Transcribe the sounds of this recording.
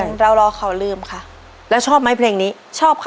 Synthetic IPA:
a˨˦nɾa˧wɾɔː˧˥kʰa˨˩wlɯː˧˩mkʰa˥˩ | lɛ˦˥wt͡ɕʰɔː˥˩p̚ma˦˥˩pʰleː˧ŋniː˦˥ | t͡ɕʰɔː˥˩p̚kʰ

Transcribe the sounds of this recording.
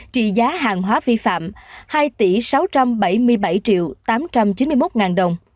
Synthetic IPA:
t͡ɕḭ˧˨zaː˨˦ɦaː˨˩ŋɦwaː˨˦vi˧fa̰ː˧˨mhaː˧jt̪i˧˩sa˨˦wt͡ɕa˧mɓa˧˩jmɨ˧əjɓa˧˩jt͡ɕḭ˧˨əwt̪aː˨˦mt͡ɕa˧mt͡ɕi˨˦nmɨ˧jmo˦˥t̚ŋaː˨˩nɗə˨˩wŋ͡m

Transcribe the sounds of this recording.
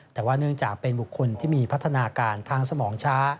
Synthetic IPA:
t̪ɛː˨˩waː˥˩nɯ˥˩əŋt͡ɕaː˨˩k̚pe˧nbu˨˩kʰːo˧nt̪ʰiː˥˩miː˧pʰa˦˥t̪ʰːa˧naː˧kaː˧nt̪ʰaː˧ŋsa˧mɔː˩˦ŋt͡ɕʰaː˦˥

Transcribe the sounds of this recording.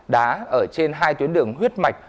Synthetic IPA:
ɗa̰ː˨˦ʔəː˧˩t͡ɕe˧nɦaː˧jt̪wi˨˦ənɗɨ˨˧˩əŋɦwi˦˥ət̚ma˨˩jk̟̚

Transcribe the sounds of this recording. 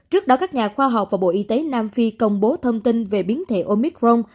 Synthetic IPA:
t͡ɕɨ˦˥ək̚ɗɔ˨˦kaː˦˥k̚ɲaː˨˩xwaː˧ɦa˨˩wk͡p̚vaː˨˩ɓo̰˧˨ʔi˧t̪e˨˦naː˧mfi˧kə˧wŋ͡mɓo˨˦t̪ʰə˧wŋ͡mt̪i˧nve˨˩ɓi˨˦ənt̪ʰḛ˧˩ʔo˧mi˨˦˥k̚ɹo˧m

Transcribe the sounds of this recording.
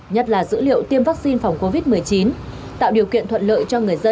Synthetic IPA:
ɲə˦˥t̚laː˨˩zɨ̰˧˥lḭ˧˨əwt̪i˧əmvaː˦˥k̚si˧nfa˨˩wŋ͡mko˧vi˦˥t̚mɨ˨˩əjt͡ɕi˨˦n | t̪a̰ː˧˨wɗi˨˩əwkḭ˧˨ənt̪ʰə̰˧˨nlə̰ː˧˨jt͡ɕɔ˧ŋɨ˨˩əjzə˧

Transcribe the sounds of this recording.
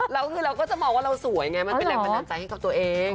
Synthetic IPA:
ɾa˧wnɯː˧˩ɾa˧wkɔː˥˩t͡ɕa˨˩mɔː˧ŋwaː˥ɾa˧wsu˨˩˦jŋa˧jma˧pe˧da˧˩pa˧tːa˧nt͡ɕa˧jha˥˩ka˨˩p̚t̪u˧ɐʔeː˧ŋ

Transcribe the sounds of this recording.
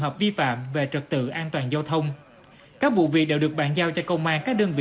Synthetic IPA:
ŋɦəː˨˩p̚vi˧fa̰ː˧˨mve˨˩t͡ɕə˨˩k̚t̪ɨ̰˧˨ʔaː˧nt̪waː˨˩nzaː˧wt̪ʰə˧wŋ͡m | kaː˦˥k̚vṵ˧˨vi˨˩ək̚ɗḛ˧˥wɗɨ˨˩ək̚ɓaː˧˥nzaː˧wt͡ɕɔ˧kə˧wŋ͡mʔaː˧kaː˦˥k̚ɗəː˧nvḭ˧˨

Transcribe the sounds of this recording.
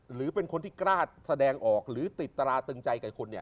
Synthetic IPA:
ɾɯː˩˦pe˧nkʰo˧nt̪ʰiː˥˩kɾaː˥˩t̪̚sa˧dɛː˧ŋʔɔː˨˩k̚ɾɯː˩˦t̪i˨˩t̪ːɾaː˧t̪ɯ˧ŋt͡ɕa˧jkɛː˨˩kʰo˧nːi˥˩

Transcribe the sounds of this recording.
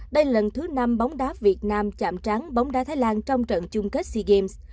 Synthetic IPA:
ɗə˧jlə˨˩nt̪ʰɨ˨˦na˧mɓa˨˦wŋ͡mɗaː˨˦vi˨˩ət̚naː˧mt͡ɕa̰ː˧˩˨mt͡ɕa˨˦ŋɓa˨˦wŋ͡mɗaː˧˦˥t̪ʰaː˨˦jlaː˧nt͡ɕɔ˧wŋ͡mt͡ɕə̰ː˧˨nt͡ɕʊ˧ŋ͡mke˦˥t̚si˧ɣe˧ms

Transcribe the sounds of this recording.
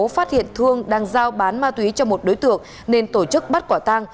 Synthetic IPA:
faː˦˥t̚hḭ˧˨ənt̪ʰɨ˧əŋɗaː˧ŋzaː˧wɓaː˨˦nmaː˧t̪wi˨˦t͡ɕɔ˧mo˨˩t̚ɗo˨˦jt̪ɨ̰˧˨əŋ | ne˧nt̪o˧˩t͡ɕɨ˦˥k̚ɓa˦˥t̚kwaː˧˩t̪a˧ŋ

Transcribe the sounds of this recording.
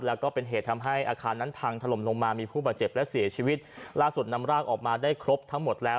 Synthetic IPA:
lɛ˦˥wkɔː˥˩pe˧nɦeː˨˩t̪ʰːa˧mɦa˥˩jʔaː˧kʰaː˧nːa˦˥np̪ʰaː˧ŋt̪ʰa˧lo˨˩˦mlo˧ŋmaː˧miː˧pʰuː˥˩baː˨˩t̪̚t͡ɕe˨˩p̚lɛ˦˥si˩˦ɐt͡ɕʰiː˧˩wi˦˥t̪̚laː˥˩su˨˩t̪̚na˧mɾaː˥˩k̚ʔɔː˨˩k̚maː˧daː˥˩jkʰɾo˦˥p̚t̪ʰa˦˥ŋmo˨˩t̪̚lɛː˦˥w

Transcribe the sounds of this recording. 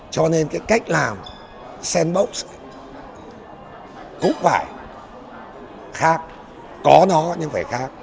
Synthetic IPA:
t͡ɕɔ˧ne˧nkaː˨˦jka˦˥jk̟̚laː˨˩m | sɛ˧nɓo˦˥wt̚s | kʊ̰˧˥ŋ͡mfaː˧˩j | xaː˦˥k̚ | kɔ˨˦nɔ˨˦ɲɨ˧ŋvəː˧˩jxaː˦˥k̚

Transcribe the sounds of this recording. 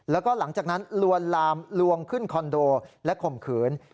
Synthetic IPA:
lɛː˦˥wkɔː˥˩la˩˦ŋt͡ɕaː˨˩k̚na˦˥nlu˧ənlaː˧mlu˧əŋkʰɯ˥˩nkʰɔ˧ndoː˧lɛ˦˥kʰo˨˩mkʰɯː˩˦n

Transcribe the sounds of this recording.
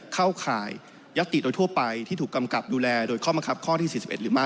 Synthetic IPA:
kʰa˥˩wkʰa̰ː˨˩jː | a˦˥k̚t̪i˨˩doː˧jt̪ʰu˥˩ɐpa˧jt̪ʰi˥˩uː˨˩kːa˧mka˨˩p̚duː˧lɛː˧doː˧jkʰɔː˥˩ma˧kʰa˦˥p̚kʰɔː˥˩t̪ʰiː˥˩i˨˩si˨˩p̚ʔe˨˩t̪ɾɯː˩˦ma˥˩

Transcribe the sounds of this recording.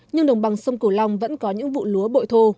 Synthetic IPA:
ɲɨ˧ŋɗə˨˩wŋ͡mɓa˨˩ŋsə˧wŋ͡mku˧˩la˧wŋ͡mvə̰˧˥nkɔ˨˦ɲɨ̰˧˥ŋvṵ˧˨lu˨˦əɓo̰˧˨jt̪ʰo˧

